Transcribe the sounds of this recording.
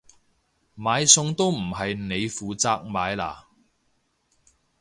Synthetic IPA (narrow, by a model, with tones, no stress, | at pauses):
maː˨˧jsʊ˧ŋt̪o˥wm̩˨˩ɦɐ˨jne˨˧jfuː˨t͡saː˧k̚maː˨˧jla̰ː˨˩